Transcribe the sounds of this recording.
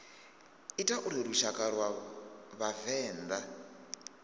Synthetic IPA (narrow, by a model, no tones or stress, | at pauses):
itʼaʔuɾiɾuʃakʼaɾwaβavɛːnd̪a